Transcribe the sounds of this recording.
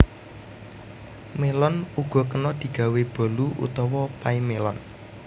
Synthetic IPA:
melɔnuɡ̥ɔ̤kənɔd̪̥i̤ɡ̥ä̤web̥ɔ̤luʔṵt̪ɔwɔpaimelɔn

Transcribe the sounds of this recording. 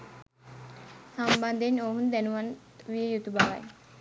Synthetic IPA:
samband̪enoɦund̪ænuʋan | ʋijejut̪ubaʋa̰j

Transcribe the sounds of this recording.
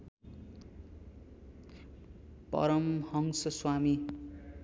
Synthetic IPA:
pʌ̰ɾʌmhʌŋsʌswami

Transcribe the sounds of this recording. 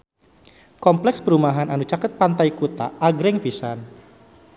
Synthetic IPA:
kɔmplɛkspəɾumaɦananut͡ʃakət̪̚pant̪ajkut̪a̰ʔːɡɾɛŋpisan

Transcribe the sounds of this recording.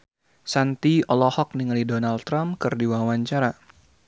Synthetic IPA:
sant̪iɔlɔhɔk̚niŋalidonalt̪ɾamkɨrdiwawaɲt͡ʃaɾa

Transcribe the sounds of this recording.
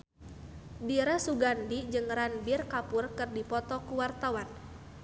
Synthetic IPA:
biɾasuɡandid͡ʒɨŋranbirkapʊrkɨrdipɔt̪ɔkuwart̪awan

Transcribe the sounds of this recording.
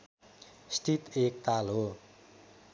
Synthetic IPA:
sʈit̪ek̚t̪alo

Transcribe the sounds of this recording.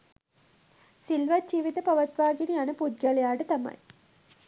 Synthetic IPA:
silʋad͡ʒiːʋit̪əpaʋat̪ʋaːɡinianəpud̪̚ɡalejaːʈət̪ama̰j

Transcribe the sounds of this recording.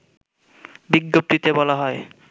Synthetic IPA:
biɡːop̚t̪it̪ebɔlaɦɔe

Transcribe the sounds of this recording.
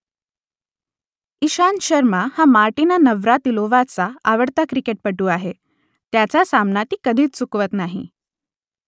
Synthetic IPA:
iɕanɕəɾmahamaɾʈinanəʋɾat̪iloʋat͡saaʋəɽt̪akɾikeʈ̚pəʈuːaɦe | t̪jat͡sasamnat̪iːkəd̪ʱiːt͡st͡sukʋət̪naɦḭ

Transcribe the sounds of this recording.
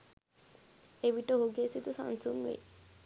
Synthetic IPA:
eʋiʈoɦoɡesit̪usa̰nsuŋʋḛ

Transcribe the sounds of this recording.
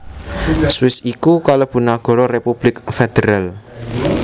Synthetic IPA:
suwɪsikukalob̥ṳnaɡ̥ɔ̤ɾɔrepub̥lɪkfed̪̥eɾal

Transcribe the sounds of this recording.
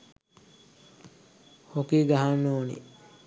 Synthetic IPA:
hokiːɡaɦanːoːnḭ

